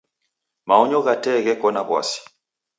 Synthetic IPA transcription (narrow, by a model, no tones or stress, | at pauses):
maɔɲɔɣatɛɣɛkɔnaβwa̰si̥